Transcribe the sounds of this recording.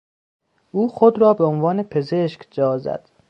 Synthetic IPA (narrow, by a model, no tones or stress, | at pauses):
ʔuːxod̪ɾɒːbeonvɒːne̞pʰe̞zeʃkd͡ʒɒːzæ̰d̪̥